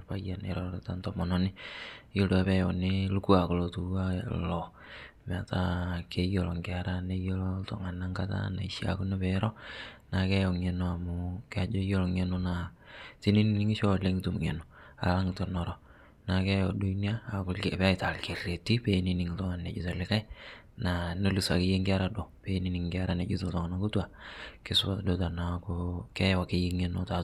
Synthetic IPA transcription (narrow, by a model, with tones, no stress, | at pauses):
pa˦ja˨nḛ˨ɾɔɾta˦ntɔ˨mɔ˨nɔ˦nɪ˦jo˦do˨a˨pɛ˦jɔ˨nɪlu˦ku˦a˨ko˨lo˨tu˨a˦lɔ˨ | m˨a˨ta˦ke˦jo˨lɔ˨ŋkea˨ɾa˦ne˦jo˦lɔ˦tɔ̰˨ŋa˨na˦ŋɡa˦ta̰˦na̰˨iʃja̰˨ku˦ne˦pɛ˨˦ɾɔ˦na˨kɛ˦jɔ˨ŋɛ˨no˦a˨mʊka˦d͡ʒo˦jo˦lɔ˨ŋe˨nɔ˦na˨ti˦ni˦ni˦nɪ˦ŋi˦ʃo˦le˦ŋ˦tu˨m˨ŋɛ̰˨no˨ | a̰˨la˦ŋito˨nɔ˨ɾɔ˦ | na˨kɛ˦jɔ˨du˦ni˦aː˦˨kʊ˦lpɛ˦a˦ɪta˨lke˨re˨tːi˦pe˦ni˨nɪ˨ŋtɔ˦ŋa˨nːe˨d͡ʒu˨ta˨lɪka˦ | na˨no˦li˨sa̰˨kɪ˦je˦ŋɡa˦ɾa˦do˨pe˦ni˦nɪ˨ŋɡɪ˦a˦ɾa˦ne˨˦d͡ʒu˦to˨ltɔ˨ŋa˨na˨ku˦twa˨kɪ˦sa˨do˦ta˨na˨kʊkɛ˦wa˨kɪje˦ŋɛno˦ta˨